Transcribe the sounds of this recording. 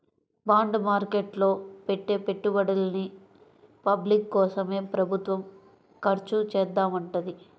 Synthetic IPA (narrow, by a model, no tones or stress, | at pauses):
baːɳɖmaːɾkeʈlo̞ːpeʈːeːpeʈːubɐɽɐlɐni | pɐblikːɔːsɐme̞ːpɾɐbʱut̪ʋɐm | kɐɾt͡ʃut͡ʃɛːd̪ːaːmɐɳʈɐd̪i